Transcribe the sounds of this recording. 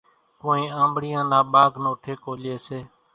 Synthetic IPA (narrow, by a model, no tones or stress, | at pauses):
koːĩːãːmbɽɪjãːnaːɓaːɡnoːʈʰeːkoːleːseː